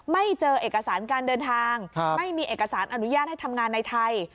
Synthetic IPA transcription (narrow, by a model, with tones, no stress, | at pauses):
ma˥˩jt͡ɕɤː˧ʔeː˨˩k̚ːa˧saː˩˦nkaː˧ndɤː˧nt̪ʰaː˧ŋma˥˩jmiː˧ʔeː˨˩kːa˧saː˩˦nʔa˧nu˦˥jaː˥˩t̪̚ha˥˩jt̪ʰa˧mŋaː˧nːa˧jt̪ʰa˧j